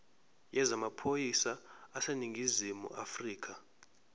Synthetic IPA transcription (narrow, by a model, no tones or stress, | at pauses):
jɛzamapʰojisaːseniŋɡʱizimṵʔafriːkʰa